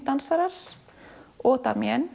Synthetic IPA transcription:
t̪ansaɾaɾ̥ | ɔːt̪a̰mjɛn

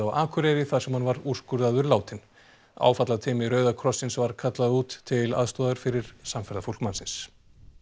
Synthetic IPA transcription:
awa̰ːkʰʏɾɛɾɪθaðsɛmhanvaɾur̥skʏɾðaðʏɾlaːwt̪ɪn | a̰ːwfat̪laðt̪ʰɪːmɪɾœːɥðakʰɾɔsːɪnsvaɾ̥kʰat̪laðuːt̪ʰːɪla̰ðst̪ɔːðʏɾ̥fɪɾɪɾ̥samfɛɾðafowl̥kmansɪns

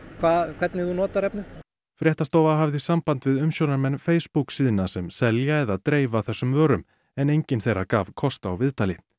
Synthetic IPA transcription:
kʰvaːðkʰv̥ɛt̪nɪðunɔːt̪aɾɛpnɪ | fɾjɛht̪ast̪owvaɦavðɪsampant̪vɪðʏmsjownaɾmɛnːfeːjspuksiːðɪnːasɛmsɛljaɛðaðt̪ɾeːjvaθɛsːʏmvœːɾʏm | ɛnejɲcɪnθejɾakaːvkʰɔst̪aawvɪðt̪aːlɪ

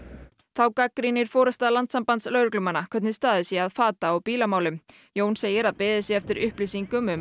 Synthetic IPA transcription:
θawkakɾinɪɾ̥fɔːɾʏst̪aːðlant̪sampant̪slœːɥɾʏklʏmanːakʰɛt̪nɪst̪aːðɪsjɛaðfaːt̪aːwpiːlamaːwlʏm | joːwnseːjɪɾaðpɪːðɪsjɛɛft̪ɪɾʏhpliːsiŋkʏmʏm

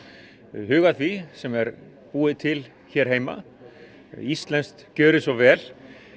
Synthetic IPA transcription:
ɦʏːɣaðθvisɛmɛɾ | puːɪt̪ʰɪl | çɛːɾ̥ɦeːjma̰ | ist̪lɛnst̪cœːɾɪsɔɣvɛːl̥

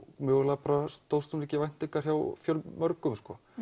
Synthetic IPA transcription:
mʏːɣlaːpaɾast̪owst̪ʏmicɪvajn̥t̪ɪŋkaɾ̥çawfjœlmœɾkʏmskɔː

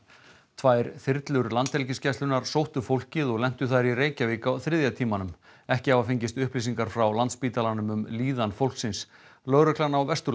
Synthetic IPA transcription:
t̪ʰvaːjɾθɪɾt̪lʏɾlant̪ɛlcɪscɛst̪lʏnaɾ̥sowht̪ʏfowl̥cɪðɔɣlɛm̥t̪ʏθaɾireːjcavɪːkawθɾɪðjat̪ʰiːmanʏmɛhcɪavafɪɲcɪst̪ʏhplis̬iŋkaɾ̥fɾawlant̪spiːt̪alanʏmʏmliːðanfowl̥ksɪnslœɣɾʏhklanawvɛst̪ʏ

